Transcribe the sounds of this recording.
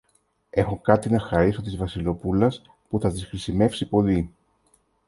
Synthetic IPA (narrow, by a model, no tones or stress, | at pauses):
e̞xo̞kɐt̪inɐxɐɾiso̞t̪izvɐsilo̞pulɐs | puθɐðisxɾisime̞fsipo̞li